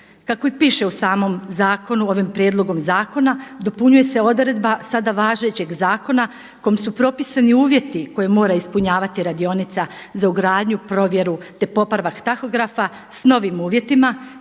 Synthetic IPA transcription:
kako̞ipiːʃe̞usaːmo̞mzaːko̞nuo̞ʋimpɾjeːd̪lˠo̞ɡo̞mzaːko̞nad̪o̞puɲuje̞se̞o̞d̪ɾe̞d̪basad̪aʋaːʒe̞t͡ɕe̞ɡzaːko̞na | ko̞jimsupɾo̞pisaniuːʋje̞t̪iko̞jemo̞ːɾaispuɲaːʋat̪iɾad̪io̞nit̪sa | zauɡɾaːd̪ɲupɾo̞ʋje̞ɾut̪e̞po̞pɾaʋakt̪axo̞ɡɾafa | sno̞ʋimuːʋje̞t̪ima

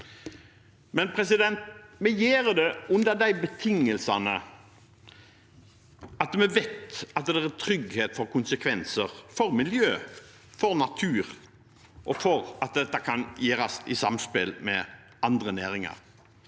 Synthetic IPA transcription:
mɛnpʰɾɛs̬ɪd̪ɛnt̪mɛjeːɾd̪ɛʉnd̪əd̪æɪbət̪ʰɪŋːəlsɑnə | ɑt̪mɛʋɛt̪ɑt̪d̪ɛæɾt̪ʰɾʏɡheːt̪fɔɾkʊnsəkʰʋɛnsəɾfɔɾmɪljøː | fɔɾnɑt̪ʰʉːɾ | ʔɔfɔɾɑt̪̚d̪ɛt̪ːəkʰɑnjeːɾɑsɪsɑmspɪlmɛ̰ | ɑnd̪ʁənæːɾɪŋɑ̰ɾ

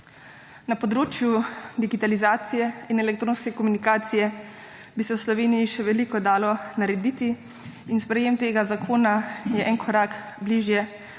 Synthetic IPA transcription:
napɔd̪ɾoːt͡ʃjud̪iɡit̪alizaːt̪sijɛinɛlɛk̚t̪ɾoːnskɛkomunikaːt̪sijɛ | bisɛwslɔʋeːnijiʃɛʋɛlikɔd̪aːlɔnaɾɛd̪iːt̪i | inspɾɛjeːmt̪eːɡazakʰoːnajɛʔɛnkʰɔɾaːk | bliːʒjɛ

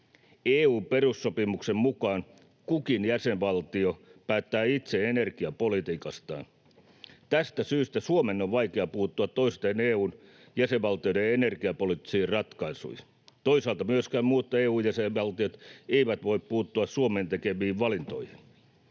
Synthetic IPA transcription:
eːuːmperusːopimuksemmukɑːn | kukinjæseʋʋɑlt̪iopæːt̪ːæːit̪seenerɡiɑpolit̪iːkɑst̪ɑ̰ːn | t̪æst̪æsyːst̪æsuomenːoʋʋɑikeɑpuːt̪ːuɑt̪toiset̪eneːuːn | jæseʋʋɑlt̪iodeenerɡiɑpolit̪ːi̥siːrrɑt̪kɑisṵj | t̪oisɑːlt̪ɑmyøskæːmmuːt̪ːɑeːuːjæseʋʋɑlt̪iot̪eiʋæt̪ʋo̞ippuːt̪ːuɑssuomeːnt̪ekeʋiːʋʋɑlint̪o̞̰jhin

